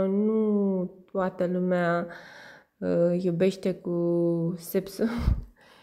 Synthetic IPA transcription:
nut̪wat̪əluma | jobeʃt̪ekusepsu

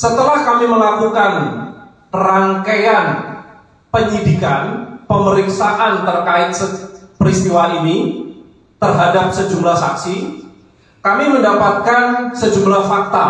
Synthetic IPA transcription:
sət̪əlahkamiməlakukan | raŋkaan | pəɲidikanpəməɾiksaʔant̪ərkaɪt̪̚səpəɾist̪iwaʔini | t̪ərɦadap̚səd͡ʒumlahsaksi | kamiməndapat̪̚kansəd͡ʒumlahfak̚t̪a

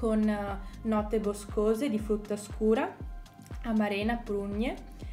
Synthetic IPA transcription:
konː | ɔt̪ːeboskoːzed̪ifɾut̪ːaskuːɾa | amaɾeːnapɾuɲːe

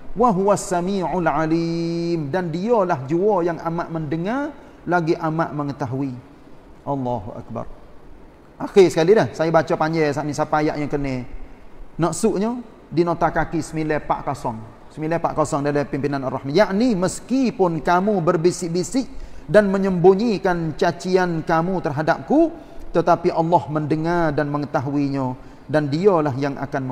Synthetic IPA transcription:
waɦuwasːamiːʕʊlʕalimdandiɔlaɦd͡ʒuɔjaŋamaʔməndəŋar | laɡiʔamaʔməŋət̪aɦui | ʔɑlːaɦṵʔa̰k̚ba̰r | ʔaxisəkalidahsajabat͡ʃapaɲd͡ʒɛsaʔnisapajaʔjaŋkənɛ | nɔʔsʊʔɲɔ | dinot̪akakisəmilɛpa̰ʔkɔsɔŋ | səmilɛpa̰ʔkosɔŋdalapimpinanarːɑhmajaʔniməskipʊnkamubərbisɪʔbisɪʔdanməɲəmbuɲikant͡ʃat͡ʃiankamut̪ərɦadap̚ku | t̪ət̪apiʔɑlːɑhməndəŋardanməŋət̪aɦuiɲə | dandiɔlaɦjaŋʔa̰kanm

